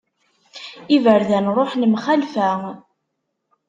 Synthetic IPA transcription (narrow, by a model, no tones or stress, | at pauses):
ivəɾðænɾˤoħnəmχalfæ